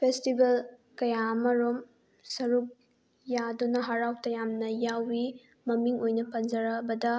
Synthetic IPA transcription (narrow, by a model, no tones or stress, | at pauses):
pʰestibɐl | kɐjamɐɾom | sɐɾuk̚ | jadunɐɦɐɾawtɐjamnɐjawi | mɐmiŋojnɐpɐnd͡ʒɐɾɐbɐdɐ